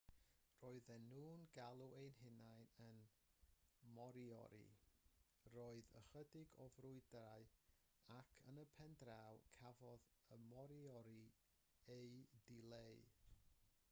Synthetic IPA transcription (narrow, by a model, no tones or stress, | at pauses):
roːɨðɛnuːnɡalˠuejnɦɪnajnən | mɔɾiɔ̰ɾḭ | roːɨðə̰χədɪɡɔvrʊɨdraɨ | akʰənəpʰɛndrawkʰavɔðəmɔɾiɔɾi | ejdileɨ